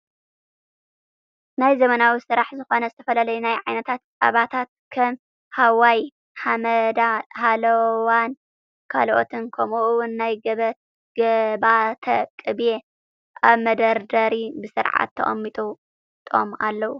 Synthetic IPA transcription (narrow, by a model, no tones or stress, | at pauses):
najzɐmɐnawisɨɾaħzɨxo̞nɐzɨt̪ʰɐfɐlalɐjunajʕajnɐt̪ʰat̪̚a̰βat̪ʰat̪̚kʰɐm | hawaj | hamɐd̪ahalɐwan | kʰa̰lʔo̰t̪ʰɨnkʰɐmuʔwʊnːajɡɐ | ɡɐbat̪ʰɐkʼɨβje | ʔaβmɐd̪ɐɾd̪ɐɾibɨsɨɾʕa̰t̪ʰːɐ̰χʼɐ̰mːit̪ʼu | t̪ʼo̰ma̰lːɐwu